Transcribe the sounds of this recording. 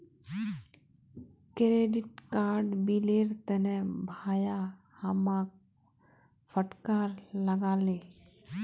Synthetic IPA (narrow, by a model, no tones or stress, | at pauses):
kɾeːɖɪʈkaːɾɖbileːɾt̪ɛnɛbʱaːja | hamaːk | fʰəʈkaːɾləɡaːleː